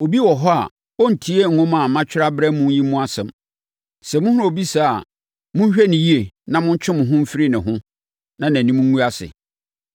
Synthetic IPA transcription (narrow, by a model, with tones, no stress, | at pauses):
o˨bi˦wɔ˨ɦɔ˦a̰˨ | wɔ˦n̩˨tʰi˦e˦ŋ̩˨ŋʊ̃˦mã˨mã˦t͡ɕᶣɪ˦ɾa˦bɾɛ˦mũ˦ji˦mũ˦a˦sɛ̃˨m | sɛ˨mʊ̃˦hʊ̃˦o˨bi˦sa˦˨a˨ | mʊ̃˦ɕᶣæ˦nɪ̃˨ji˦e˨nã˨mʊ̃˦n̩˦t͡ɕʰᶣɪ̃˦mʊ̃˨ɦʊ̃˦m̩˦fɪ˦ɾi˦nɪ̃˨ɦʊ̃˦ | nã˨næ̃˨nĩ˦mũ˦ũ˦a˦sɪ̰˨